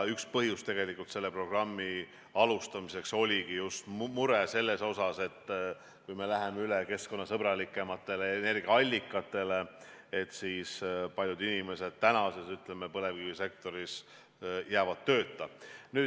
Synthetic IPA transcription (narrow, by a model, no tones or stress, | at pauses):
ykspɤɦjust̪e̞ɡe̞likult̪se̞lːe̞pro̞ɡ̥rɑmːi | ɑlust̪ɑmise̞kso̞lʲiɡ̥ijust̪muɾese̞lːe̞so̞sɑse̞t̪ː | kujme̞læɦe̞meyleke̞sko̞nːɑsɤb̥ɾɑlikːˑe̞mɑt̪ːˑe̞leene̞rɡiɑɑlʲːikːˑɑt̪ːˑe̞le̞et̪siːspɑlʲjud̪inime̞se̞d̪̥̚t̪ænɑsesyt̪lemepɤle̞vɡ̥ivise̞k̚t̪o̞ɾis | jæːvɑd̪̥̚t̪ːø̞ːt̪ˑːɑny̥ː